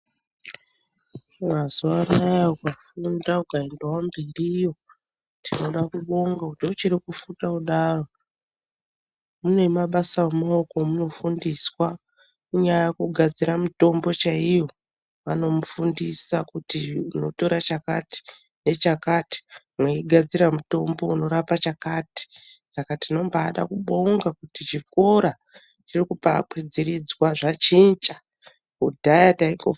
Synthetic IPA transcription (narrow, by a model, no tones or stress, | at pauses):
mwazuwarajaukafundaukaendewamberiːjo̞ | tino̞ɗakuɓo̞ŋɡakutiot͡ʃiɾikufutakuɗaro̞ | mune̞maɓasawemao̞ko̞muno̞fundiswa | uɲajajekuɡʱad͡ziɾamito̞mbo̞t͡ʃaijo̞ | ʋano̞mufundisakutiuno̞to̞ɾat͡ʃakati̥ne̞t͡ʃakati̥ | mweiɡʱad͡ziɾamuto̞mbo̞uno̞ɾapat͡ʃakati̥sakatino̞mbaːɗa̰kuɓoŋɡakutit͡ʃiko̞ɾa | t͡ʃirikupakwid͡ziɾid͡zwaʐat͡ʃint͡ʃa | kudʱajataiŋɡo